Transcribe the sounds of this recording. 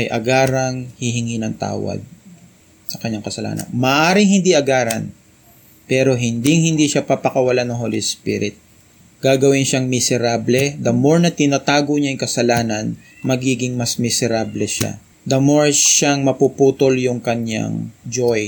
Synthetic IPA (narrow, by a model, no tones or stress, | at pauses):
ʔɐjʔɐ̰ɡaːɾɐŋhɪɦɪŋinɐŋt̪a̰ːwɐ̰d̪̚ | sɐkɐɲːaŋkɐsɐla̰ːnɐ̰nmɐʔaːɾɪŋhɪnd̪iʔɐɡaːɾɐn | pɛːɾo̞ɦɪnd̪ɪŋhɪnd̪iʃapɐpɐkɐwɐlanɐŋɦoːlispḭɾɪt̪̚ | ɡ̥aːɡɐwɪnʃaŋmɪsɛɾablɛd̪ɐmoɹnɐt̪ɪnat̪aːɡoɲajʊŋkɐsɐlaːnɐn | mɐɡiːɡɪŋmɐsmɪsɛɾablɛʃa̰ | d̪ɐmo̞ɹʃaŋmɐpupuːt̪oljʊŋkɐɲːa̰ŋd͡ʒoj